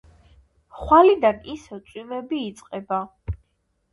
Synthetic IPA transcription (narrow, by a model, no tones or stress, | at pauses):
χwalid̪anisɛt̪sʼwimɛbiːt̪sʼqʼɛba